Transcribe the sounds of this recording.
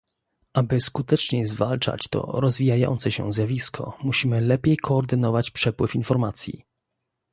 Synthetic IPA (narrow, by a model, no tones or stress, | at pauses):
ʔabɘskut̪ɛt͡ʂɲɛzvalt͡ʂa̰t͡ɕt̪ɔ̰ɾɔzvʲijajɔ̰nt̪sɛɕɛ̰̃zʲjavʲiskʰɔ̰muɕimɘlɛpʲjejkʰɔːɾd̪ɘnɔvat͡ɕpʂɛpwɘfinfɔɾmat̪sʲjḭ